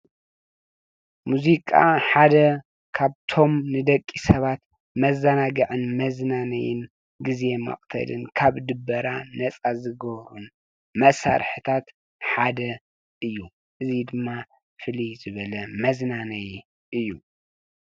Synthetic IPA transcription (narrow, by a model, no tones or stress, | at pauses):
muzikʼa̰ħad̪ɐ | kʰaβt̪ʰo̞mnɨd̪ɐkʼːisɐβat̪ | mɐzɐnaɡɨʕɨnmɐznanɐ̰jɪ̰n | ɡizemɐ̰χʼt̪ʰɐ̰lɨnkʰaβd̪ɨbːɐɾanɐt͡sʼazɨɡɐβɾun | mɐsa̰ɾħɨt̪ʰat̪ | ħad̪ɐ | ʔɨjːu | ʔɨzid̪ɨmːa | fɨlizɨβɐlɐmɐznanɐj | ʔɨjːu